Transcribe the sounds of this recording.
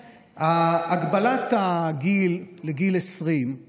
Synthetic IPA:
aːɡbalat̪aɡilːeɡilesʁim

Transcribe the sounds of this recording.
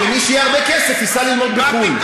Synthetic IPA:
emiʃjeaʁbekesefisalilmo̞d̪̚bekuim

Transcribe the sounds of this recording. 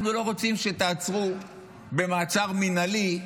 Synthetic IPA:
χnulo̞ʁo̞t͡simʃe̞t̪aːt͡sʁu | be̞maːt͡saʁminali

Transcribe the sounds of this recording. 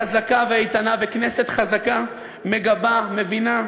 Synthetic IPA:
azakaveijt̪anavekne̞se̞t̪χazaka | me̞ɡabame̞vina

